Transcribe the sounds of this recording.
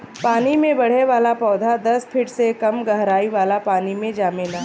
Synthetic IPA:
paːnimẽbɐɽ̤eʋaːlapɔːd̪ʱad̪ɐspʰɪʈsekɐmɡɐɦɾaːiʋaːlapaːnimẽd͡ʒaːmelaː

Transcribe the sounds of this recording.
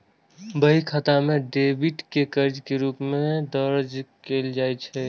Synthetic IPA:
bəɦikʰat̪amẽɖeːbiʈkekəɾd͡ʒkeɾuːpmẽd̪əɾd͡ʒkeːld͡ʒaːɛt͡ʃʰɛ

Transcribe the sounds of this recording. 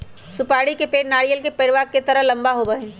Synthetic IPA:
sʊpaːɽikepeːʈnaːɽijəlkepeːɽʋaɡ̚ket̪ɐɾəɦlɐ̃mbaɦobɐɦẽː

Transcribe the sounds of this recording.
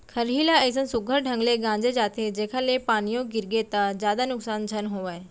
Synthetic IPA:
kʰəɾɦilaəs̬ə̃nsuɡʱəɾɖʱə̃ŋɡleɡãːd͡ʑed͡ʒaːt̪ed͡ʑeːkʰalepaːnijoɡiɾɡet̪ad͡ʑjaːd̪anʊksaːnd͡ʒʱənɦoːʋaːj

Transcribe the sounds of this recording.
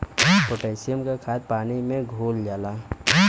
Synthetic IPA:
ʈoʈɛːsɪjəmkakʰaːt̪̚paːnimẽɡʱoːld͡ʒaːlaː

